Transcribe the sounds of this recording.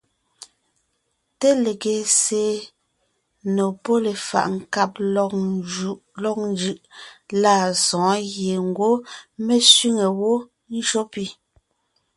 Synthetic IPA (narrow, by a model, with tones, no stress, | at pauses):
te˦le˨ɡe˨se˨˦ | no˨pɔ˦le˨fa̰˨ʔŋ˨˦ka˦p̚ | ʔlɔ˦k̚n˦d͡ʒɯ˦ʔla˦˨sɔ̃ː˨˦ɣje˨ŋ̩˨ɡwo˦mɛ˦sɥi˦ŋe˨wo˦ | n̩˦ʃo˦pi˦˨